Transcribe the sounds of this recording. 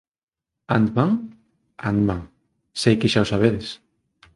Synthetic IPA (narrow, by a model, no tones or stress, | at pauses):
and̪maŋ | a̰nd̪mãŋ | sejkɪʃawsaβ̞eðɪs